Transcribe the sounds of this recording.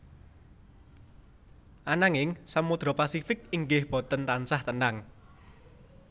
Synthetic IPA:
ʔanaŋɪŋsamud̪̥ɾɔpasifɪk̚iŋɡɪhb̥ɔ̤t̪ənt̪ansaht̪ənaŋ

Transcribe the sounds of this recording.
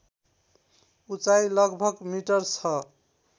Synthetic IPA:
ut͡sailʌɡbʱʌɡmiʈʌɾt͡sʰʌ

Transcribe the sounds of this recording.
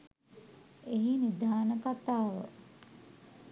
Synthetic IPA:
eɦinid̪ʱaːnəkat̪aːʋə̰

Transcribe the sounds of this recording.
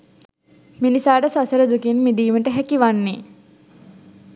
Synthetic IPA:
minisaːʈəsasəɾəd̪ukinmid̪iːməʈəɦækiʋanːi

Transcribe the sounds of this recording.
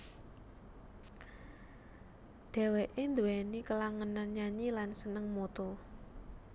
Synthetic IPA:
ɖ̥ɛ̤weʔend̪uwɛnikəlaŋənanɲaɲilansənəŋmot̪ɔ

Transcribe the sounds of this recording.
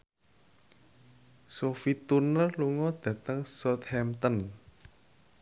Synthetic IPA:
sofit̪unəluŋɔd̪̥ä̤t̪əŋsɔt̪hɛmt̪ɔn

